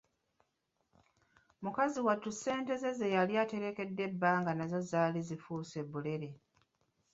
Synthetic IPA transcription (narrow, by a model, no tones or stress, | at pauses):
mukaziwatːuse̞ːnte̞ze̞zejaljate̞ɾe̞ke̞dːe̞bːaːŋɡanazo̞zaːlizifuːse̞bule̞ɾe̞